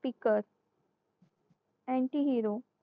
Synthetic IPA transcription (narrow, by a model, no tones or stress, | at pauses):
pikəɾ | ɛ̃ɳʈiɦiːɾo